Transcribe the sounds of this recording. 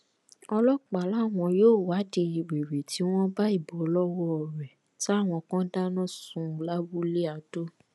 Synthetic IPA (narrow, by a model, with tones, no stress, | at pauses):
ɔ˧lɔ˦k͡pa˨la˦˨w̃ɔ̃˧joː˦˨wa˨˦di˧i˨ɾe˨ɾe˨tʰi˨˦w̃ɔ̃˦ba˦i˦˨bɔ˨˦lɔ˦wɔ˦ɔ˨ɾɛ˨ | ti˦a˦˨w̃ɔ̃˧kã˦da˦nã˦˨sũ˧la˦bu˦le˦a˨do˦